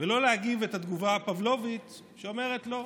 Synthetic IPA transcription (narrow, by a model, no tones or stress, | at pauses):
velo̞lehaɡivetad̪ɡuvaːpavlo̞vit̪ | ʃeo̞me̞ʁetlo̞